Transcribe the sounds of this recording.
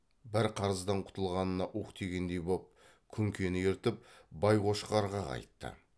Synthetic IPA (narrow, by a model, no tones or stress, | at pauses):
bɪɾqʰɑɾəzd̪ɑɴqʰʊ̥t̪əlˠʁɑnənɑʔuqt̪ʰe̞ɡʲe̞nd̪e̞jbop̚ | kʲʰʏŋkʲʰe̞nɪjeɾt̪ɪp̚bɑjqoʃə̥ʁɑɾʁɑqʰɑ̰jt̪ːə̰